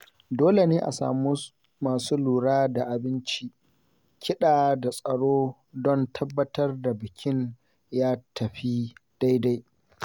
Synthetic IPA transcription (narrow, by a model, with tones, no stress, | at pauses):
doː˦le˨neː˦ʔa̰˨sa̰ː˨mu˦ | maː˨suː˦luː˨ɽaː˦da˨ʔa˨bɪ˦nt͡ʃi˦ | kʲɪ˦ɗaː˨da˨sʼɐ˨ɽoː˦ | dɔ˦˨ntʰɐ˦bːɐ˦tɐ˦rda˨bɪ˨kʲʰɪ˦n | jaː˦tɐ˨ɸi˦d̥a˦jda˦j